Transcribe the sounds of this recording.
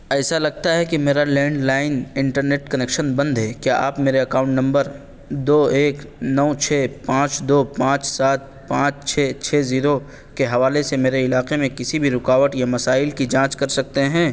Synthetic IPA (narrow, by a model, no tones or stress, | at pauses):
ɛːsalɐɡ̚t̪aɦɛkimeːɾalɛ̃ːɳɖlaːɪnɪ̃ɳʈəɾneːʈkɐneːkʃənbɐ̃nd̪ɦɛkjaːʔaːpmeːɾeɐkaːʊ̃ɳʈnɐ̃mbəɾ | d̪oːeːknɔʋt͡ʃʰɛːpãːt͡ʃd̪oːpãːt͡ʃsaːt̪̚ | pãːt͡ʃt͡ʃʰɛːt͡ʃʰɛːziːɾo | keɦɐʋaːlesemeːɾeɪlaːqemẽkɪsibʱiɾʊkaːʋəʈjamɐsaːɪlkid͡ʒãːt͡ʃkɐɾsɐk̚t̪eɦɛ̃ː